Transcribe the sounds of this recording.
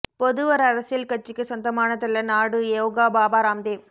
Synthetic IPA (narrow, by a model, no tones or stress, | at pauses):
pɔðɯʋɐɾɐɾɐsjɪlkɐt͡ʃːɪkːɯsɔnd̪ɐmaːnɐt̪ːɐlːɐnaːɽɯewɡaːbaːbaːɾaːmd̪eː